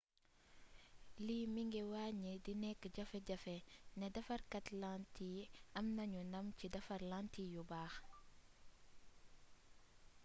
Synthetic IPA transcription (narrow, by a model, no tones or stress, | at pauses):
liːmiŋɡɛwaɲedinɛkːəɟɐfɛɟɐfɛnɛdɐfɐrkɐtlantiːɐmnɐɲunɐmcidɐfɐrlantijubaːx